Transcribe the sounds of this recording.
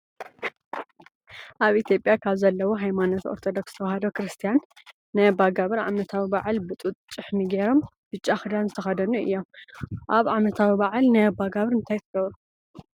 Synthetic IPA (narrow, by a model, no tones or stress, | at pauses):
ʔaβit̪ʰjo̞pʼjakʰaβzɐlːɐwoɦajmano̞t̪o̞̰ɾt̪ʰo̞d̪okst̪ʰɐwɐhɐd̪okɾɨst̪ʰijanː | ɨbaɡaβɨɾʕa̰mɐt̪ʰawibaʕalbɨt̪ʼut̪ʼt͡ʃʼːɨħmiɡeɾo̞m | b̥ɨt͡ʃʼːaxɨd̪anzɨt̪ʰɐxɐd̪ɐnuɨ̰jːo̞mʔaβʕamɐt̪ʰawibaʕalnabaɡaβɨɾɨnt̪ʰajt̪ʰɨɡɐβɾu